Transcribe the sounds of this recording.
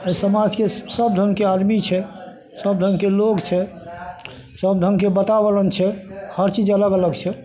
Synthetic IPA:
əsəmad͡ʒkesəb̚d̪ʱəŋɡkead̪mit͡ʃʰɛ | səb̚d̪ʱəŋɡkeloɡt͡ʃʰɛ | səb̚d̪ʱəŋɡkebət̪abələnt͡ʃʰɛhəɾt͡ʃid͡ʒələɡələɡt͡ʃʰɛ

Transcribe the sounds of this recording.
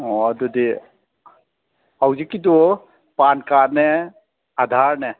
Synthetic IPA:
ɔd̪ud̪i | awd͡ʒikid̪o | pankanɛ | ad̪ʱaɾnɛ

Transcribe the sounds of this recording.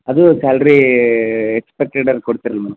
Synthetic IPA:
ɐd̪ukaːlɾi | ekspek̚ʈeʈɐɾkoɽt̪iɾɐlmɐːɽɐm

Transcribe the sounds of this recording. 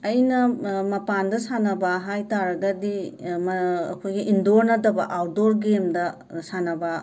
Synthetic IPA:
ɐjnɐmɐpandɐsanɐbɐɦajtaɾɐɡɐdimɐɐ̰kʰojɡiʔindoɾnɐdɐbɐʔawdoɾɡemdɐ | sanɐbɐ

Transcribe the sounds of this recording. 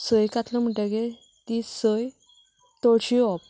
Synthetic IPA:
səjkat̪ləm̤əʈeɡe | t̪isəj | t̪oɽɕiɔp̚

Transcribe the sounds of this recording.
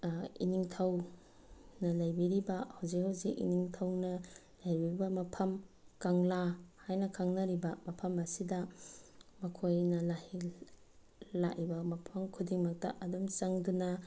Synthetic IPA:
ḭniŋtʰɐw | nɐlɐjbiɾibɐhawzikhawzikḭniŋtʰɐwnɐ | lajbiɾibɐmɐpʰɐmkaŋlahajnɐkʰaŋnɐɾibɐmɐpʰɐmɐsidɐ | mɐkʰojnɐlahi | laʔibɐmɐpʰɐmkʰudiŋmɐk̚tɐ̰ʔɐdumt͡ʃaŋduna

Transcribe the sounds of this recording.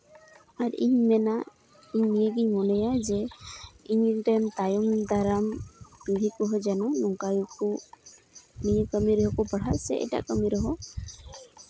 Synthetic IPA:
aɾḭɲmɛnaʔ | iɲmijəɡiɲmɔnɛjad͡ʒɛ | iɲʈɛmt̪ajɔmd̪aɾamiɡʱikɔɦɔjd͡ʒanɔnɔŋkajukɔ | nijəkəmiɾɔɦɔkɔbəɽ̤at̪sɛ̰ʔɛ̰ta̰ʔkəmiɾɔɦɔ

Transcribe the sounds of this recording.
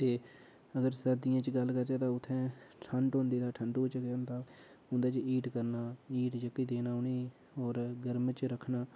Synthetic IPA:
t̪eː | əɡəɾsəd̪ɪjãːt͡ʃɡəlkəɾd͡ʒaːt̪ãːʊt̪ʰːɛ̃ːʈʰəɳʈõːnd̪eːd̪aːʈʰəɳɖoːt͡ʃɡəand̪aː | ʊnd̪aːt͡ʃiːʈkəɾnaːiːʈd͡ʒəkːiːd̪eːnaːɦʊneː | oːɾɡəɾmt͡ʃɾəkʰnaː

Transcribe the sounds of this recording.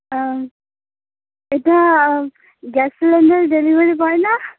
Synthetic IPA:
etia | ɡɛslɛndəɹdelibəɹipajna

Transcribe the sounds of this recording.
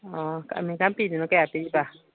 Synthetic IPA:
ɔka̰ʔmĩkampininɔkɛapiiba

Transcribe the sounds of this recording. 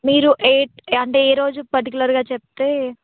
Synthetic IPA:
miːɾuʔeːʈ̚ɐɳʈe̞ːɛːɾo̞ːd͡ʒupɐɾʈikulɐɾɡaːt͡ʃep̚t̪eː

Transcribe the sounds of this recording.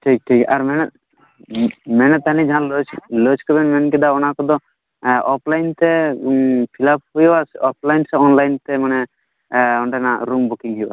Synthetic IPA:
ʈʰik̚ʈʰikaɾmɛnɛ | mɛnɛt̪ːanid͡ʒaɦãlt͡ʃlət͡ʃkɔbɛnmɛnkɛd̪aɔnakɔd̪ɔ | ʔɔpʰlajnt̪ɛ | pʰilap̚ɦujbasɔp̚ʰlajnsɛɔnlajnt̪ɛmanɛ | ɔɳɖɛnaɾumbukiŋɦujba̰

